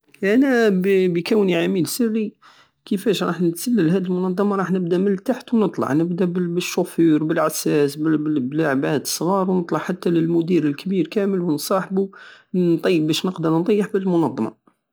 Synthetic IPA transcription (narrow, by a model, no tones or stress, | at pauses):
ʔænæbbəkəwniʕamilsərːi | kəfæʃɾˤɑħnət̪sælːəlhæd̪əlmʊnɑd̪ˤːɑmɑɾˤɑħnəb̚d̪æməlːt̪aħt̪wnət̪ˤlɑ̰ʕnəbd̪æbəbəʃːʊfuɾbəlʕasæsbbəblaʕbhæd̪əsˤɣɑɾˤwnət̪ˤlɑʕħat̪ːæləlmʊd̪iɾəlkbiɾkæməlwənsˤɑħbu | t̪ˤɑjːəbbæʃnəqd̪əɾnd̪ˤɑjːəħbəlmʊnɑd̪ˤːɑmɑ̰